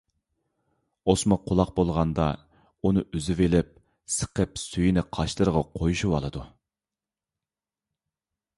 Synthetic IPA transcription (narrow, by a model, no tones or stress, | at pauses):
osmʊqʰʊlˠɑq̚bolˠʁɑnd̪ɑ | unɨʔyzɪvelɪp̚ | sə̥qʰəpsyjinɪqʰɑʃlˠɨɾəʁɑqʰojuʃuwɑ̰lˠɨd̪u